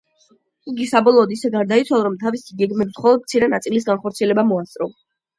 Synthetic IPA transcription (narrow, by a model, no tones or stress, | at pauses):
iɡisabɔlˠɔːd̪isɛɡaɾd̪ait̪sʰwalˠaɾɔmt̪ʰavisiɡɛɡmɛbisχɔlˠɔd̪̚mt̪sʰiɾɛnat̪sʼilis̬ɡanχɔɾt̪sʰiɛlɛbamɔast̪ʼɾɔ